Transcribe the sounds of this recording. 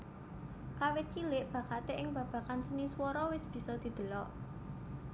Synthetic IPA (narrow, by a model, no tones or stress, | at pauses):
kawɪt̪̚t͡ʃilɪʔb̥ä̤kat̪eʔɪŋb̥ä̤b̥ä̤kansəniswɔɾɔwɪsb̥i̤sɔd̪̥i̤d̪̥ə̤lɔʔ